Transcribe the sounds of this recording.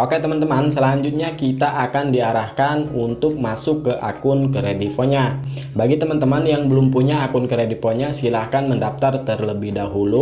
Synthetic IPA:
okɛt̪əmant̪əmansəlaɲd͡ʒut̪̚ɲakit̪aʔakandiaɾahkanunt̪ʊk̚masʊkːəʔa̰kʊnkəɾedifoɲa | baɡit̪əmant̪əmanjaŋbəlʊmpuɲaːkʊnkəɾedifoɲasilahkanməndaf̚t̪art̪ərləbɪhdaɦulu

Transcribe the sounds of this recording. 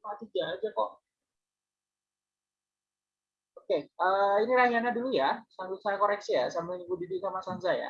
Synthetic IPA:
aat̪id͡ʒad͡ʒakɔʔ | okeəiniɾaɦianadulujasaŋɡʊt̪̚sajakoɾɛk̚sijasamaɲuɡudidiʔkamasansaja̰

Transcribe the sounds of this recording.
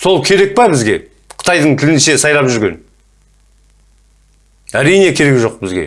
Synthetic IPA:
so̞lˠkʲʰe̞ɾe̞k̚pɑbɪzɡʲe̞ | qʰə̥t̪ʰɑjd̪əɴt̪ʰɪlɪnʃe̞sɑjlˠɑpʒʏɾɡʲe̞̰n | æɾijne̞kʲʰe̞ɾe̞kʒo̞q̚bɪzɡʲe̞̰

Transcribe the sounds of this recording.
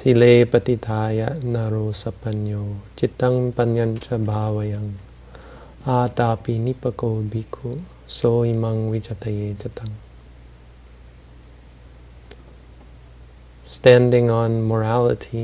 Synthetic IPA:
sileːpɐt̪it̪ʰaːjaʔnɐɾoːsɐpɐnjot͡ʃit̪ɐŋpɐnjɐnt͡ʃɐbʱaːwɐjɐŋ | at̪aːpinipɐkobikʰuʔ | soimɐŋwit͡ʃat̪ɐjet͡ʃat̪ɐŋ | stæ̃ndɪ̃ŋɔnmɔɹælətʰi

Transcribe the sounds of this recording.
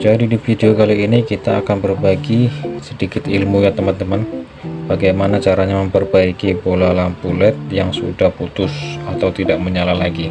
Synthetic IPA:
d͡ʒadidifideokaliːnikit̪aːkanbərbaɡisədikɪt̪ilmujat̪əmant̪əman | b̥aɡajmanat͡ʃaɾaɲaməmpərbaikibolalampulɛt̪̚jaŋsudahput̪ʊsat̪awt̪idaʔməɲalalaɡi

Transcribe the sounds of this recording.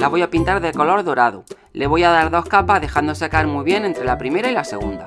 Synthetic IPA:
laβo̞japint̪aɾðeko̞lo̞ɾðo̞ɾaðu | le̞β̞o̞jaðaɾðo̞hkapazðe̞xand̪o̞s̬eakaeɾmujβ̞je̞ne̞nt̪ɾe̞lapɾime̞ɾailase̞ɣ̞und̪a

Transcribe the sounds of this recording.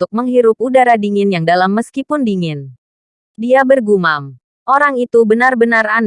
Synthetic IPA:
t̪ʊk̚məŋɦiɾʊp̚udaɾadiŋɪnjaŋdalamːəskipʊndiŋɪn | diabərɡumam | ʔoɾaŋit̪ubənarbənaɾan

